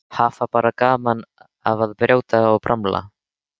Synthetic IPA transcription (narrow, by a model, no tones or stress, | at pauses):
haːfapaːɾakaːman | a̰vaðpɾʲjaːwt̪aɔɣpɾʔamla̰